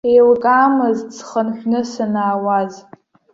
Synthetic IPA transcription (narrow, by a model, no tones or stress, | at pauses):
ejlkʼaːmɨzt͡sχənħʷᶣnɨsanaːwaz